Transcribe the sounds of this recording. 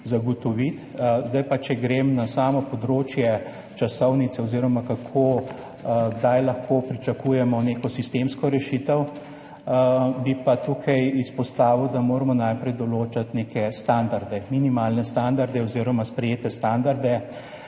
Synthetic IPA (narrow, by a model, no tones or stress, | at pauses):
zaɡɔt̪ɔʋit̪zd̪ajpat͡ʃɛɡɾemnasaːmɔpɔd̪ɾoːt͡ʃjɛ | t͡ʃasɔwnit̪sɛoziːɾɔmakakʰo | ɡd̪ajlɐxkʰoːpɾit͡ʃakuːjɛmɔneːkɔsist̪emskɔɾɛʃit̪əw | bipat̪uːkʰajispɔst̪aːʋiwd̪amoːɾmɔnajpɾɛjd̪ɔloːt͡ʃat̪nekɛst̪and̪aɾd̪ɛminimalnɛst̪and̪aɾd̪ɛoziːɾɔmaspɾɛjeːt̪ɛst̪and̪aɾd̪ɛ